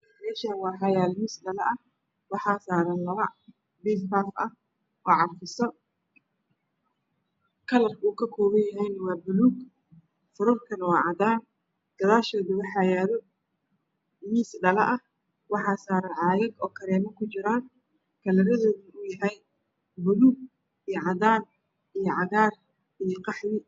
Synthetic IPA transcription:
ɐmɛːʃaːnwɑːɦɑjaːlmiːsɖɐlɐʔɐh | wɑħɑːsaːɾɐnlɐβɐ̰ | biːffaːfɐh | ʔɔːʕɑrfɪsɔ | kʰɐlɐruːkʰɐkʰɔːβɐnjɐɦɛjnɐwɑːbʊluːɡ | fʊɾʊrkʰɐnɐwɑːʕɑd̪aːn | ɡ̪̥ɐðaːʃɔːðʊwɑħɑːjaːðɔ | miːsɖɐlɐʔɐh | wɑħɑːsaːɾɐʕɑːjɐɡɔːkʰɐɾɛːmɐkʰʊt͡ʃɪɾaːn | kʰɐlɐɾɐðɔːðɐnʊjɐɦɛj | bʊluːɡ̚ | ijɔʕɑðaːn | ijɞʕɑɣaːr | ijɞqɑħwɪ

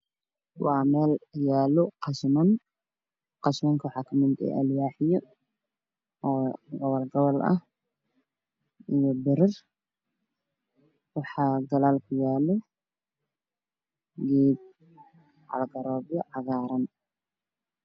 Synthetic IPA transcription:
waːmɛːljaːlɔqɑʃmɐn | qɑʃmɐŋkʰwʊħakʰɐmɪnd̪ɛ̰ʔɐljaːħɪjɔ | ɔːɡɐwɐlɡɐwɐlʔɐ̰h | ɪjɔbɪɾɪr | wɑħɑːɡɐlaːlkʰʊjaːlɔ | ɡiːb̚ | ʕa̰lɡɐɾɔːbjɔʕɑɣaːɾɐn

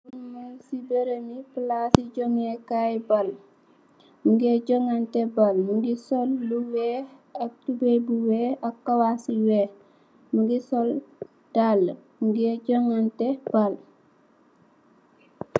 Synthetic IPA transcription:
unmalsibeɾəmiplasiɟoŋekajbal | muɡeɟɔŋantebalmuɡisɔlːuwɛːhak̚tubebuweːakːawasiweːh | muɡisɔl | d̥alːmuɡeɟɔŋanteb̥al

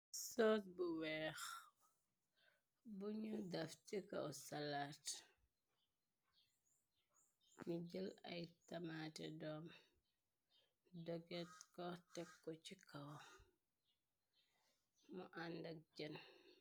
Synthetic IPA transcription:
sɔːtbuwɛːx | buɲudɐft͡ʃikɐ̰wsalat | miɟəlɐ̰jtɐmatɛdɔːm | dɔɡɛtkɔtɛkːɔcikɐw | muʔandɐk̚ɟən

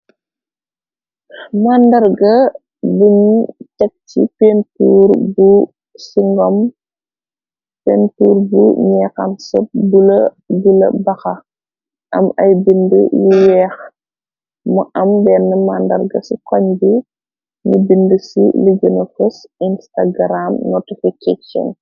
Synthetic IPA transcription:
mandɐɾɡɐ | buɲt͡ʃɛk̚tḭpentuːɾbu | siŋɡɔm | pɛntuːɾbṵɲɛkansɔp̚bul | bulɐ̰bɐxɐ | ʔɐmɐjbində̰juwɛːx | muʔɐmbɛːnːɐmaːndɐ̰rɡɐsikɔɲbi | nubindəsḭliɡənɐfɔsinstaɡɾamnɔtifiket͡ʃɔ̰n

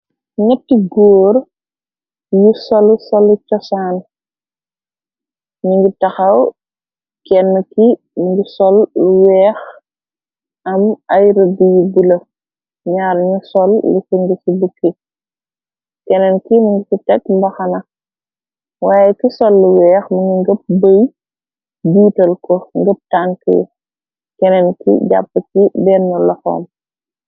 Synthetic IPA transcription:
ɲɐtːiɡoːɾ | jusɔlusɔlut͡ʃɔsaːn | niŋɡitɐxɐw | kɛnːki | niŋɡisɔlːuwɛːx | ɐmɐjɾəbijibilɐ | ɲaːɾɲusɔlːusəŋɡəsibukʰːi | kɛnɛnkimuŋɡisitɛk̚mbɐxɐnɐ | waːjɛkisɔlːuwɛːxmɐŋɡiŋɡəp̚bəj | biːtɐlkɔŋɡəp̚taŋkə̰j̰ | kɛnɛnkḭɟa̰pːəkibɛnːulɐxɔ̰ːm

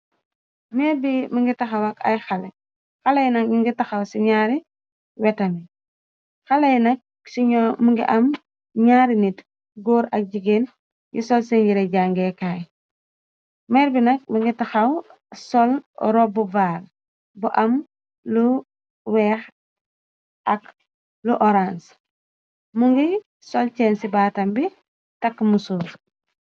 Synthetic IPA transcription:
mɛːɾbimiŋɡitaxawaka̰jxale | xalejnɐkmiŋɡitaxawsiɲaːɾi | wɛtɐmi | xalejnɐk̚ | siɲɔmuŋɡḭʔɐm | ɲaːɾinit | ɡoːɾɐk̚ɟiɡeːn | jisɔlseɲɟiɾeɟaŋɡekaːj | mɛːɾbinɐk̚muŋɡitaxaw | sɔlɾɔbuvaːl | buʔɐm | lu | wɛːx | ak | luʔɔɾans | muŋɡi | sɔlt͡ʃɛːnsibaːtɐmbi | tɐkːmusuːɾ

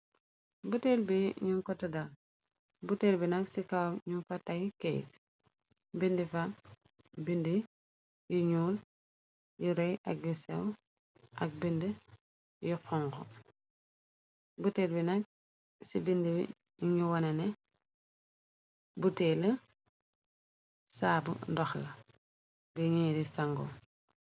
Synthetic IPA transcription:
buteːlbiɲuŋkɔtːɐdal | butelbinɐksikawɲunfatajkej̰ | bindifa | bindi | jiɲuːl | jiɾɔjʔɐk̚jusɛ̰w | ʔɐk̚bində | jixɔŋkɔ̰ | butelbinak̚ | sibindibḭ | ɲiwɐnɐnɛ | butelə | saːbṵndɔxlɐ | biɲiːɾisaŋɡɔ̰

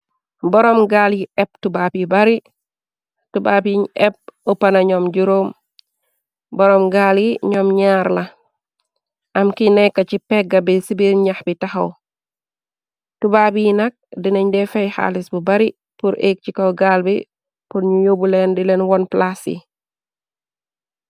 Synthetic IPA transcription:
bɔɾɔmɡaljiʔɛp̚tubaːpibɐɾi | tubapiɲɛp̚opanaɲɔmɟuɾoːm | bɔɾɔmɡaljiɲɔmɲaɾla | ʔamkinɛkːat͡ʃipɛɡabisibiɾɲahbitahɐw | tubabijinak̚dinɐɲdɛfɛjha̰lisbubaɾi | puɾʔek̚t͡ʃikɐɡalbi | punɲuɲobulɛndilɛnwɔnplasḭ

